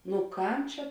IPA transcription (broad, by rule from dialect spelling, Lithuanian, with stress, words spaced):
nʊ ˈkɐm ˈt͡ʃʲɛ